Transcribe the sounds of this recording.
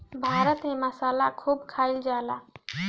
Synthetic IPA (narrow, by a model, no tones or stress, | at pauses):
bʱaːɾət̪ɦẽməsaːlakʰuːbkʰaːɪld͡ʒaːlaː